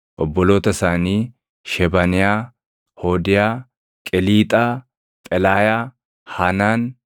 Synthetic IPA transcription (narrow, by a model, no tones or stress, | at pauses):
ʔɔbːɔlo̞ːt̪ɐsaniː | ʃɛbɐnɪjaː | hoːd̪ɪjaː | kʼɛliːt̪ʼɐ | t̪ʼɛlaːja | hɐnaːn